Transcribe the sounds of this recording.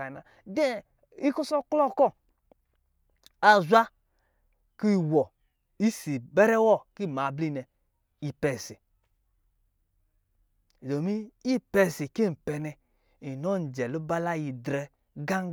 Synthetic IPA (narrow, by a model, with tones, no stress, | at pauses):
a˨na˨ | dɛ˦ | i˦kɔ˦sɔ˦klɔ˦kɔ˦˨ | a˨zʷa˦ | ki˦i˨wɔ˨ | i˦si˨bɛ˦ɾɛ˦wɔ˦˨ki˦˨ma˨bli˦˨nɛ˨ | i˨pɛ˨si˨ | do˨mi˦i˦pɛ˨si˨ke˦˨pɛ˨nɛ˧ | i˨nɔ˦˨n̩˨d͡ʒɛ˨lu˦ba˦la˦ji˨dɾɛ˨ | ɡa˦ŋ